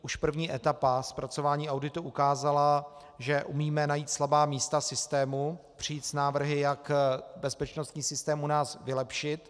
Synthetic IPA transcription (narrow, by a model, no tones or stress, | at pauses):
uʃpr̩vɲiːʔɛt̪apaspɾat͡so̞vaːɲiːʔawdɪt̪uʔukaːzala | ʒɛʔumiːmɛnajiːt̪slabaːmiːst̪asɪst̪ɛːmu | pr̝̥ɪjiːt̪snaːvr̩ɦɪjakbɛspɛt͡ʃnost̪ɲiːsɪst̪ɛːmunaːsvɪlɛpʃɪt̪